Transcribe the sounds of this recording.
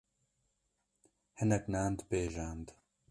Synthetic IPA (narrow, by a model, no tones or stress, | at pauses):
hɪnɐknaːnd̪peːʒaːnd̪